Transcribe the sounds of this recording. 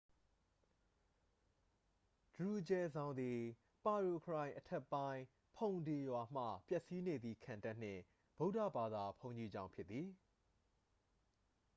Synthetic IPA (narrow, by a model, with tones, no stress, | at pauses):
d̥əɹu˨d͡ʑɛ˨zã˨ʊ̃nd̪i˨ | pa˨ɹo˨kʰəɹã˨ɪ̃ʔətʰɛ˦˨pːã˦ɪ̃ | pʰõ˨ʊ̃nde˨jwa˨m̥ä̰˦˨pjɛ˦ʔsi˦ne˨d̪ði˨kʰã˨nta˦˨n̥ɪ̰̃˦˨ | b̥o˦ʊʔtä̰˦˨ba˨d̪a˨pʰõ˨ʊ̃ɲi˨d͡ʑã˦ʊ̃mpʰjɪ˦t̪ːði˨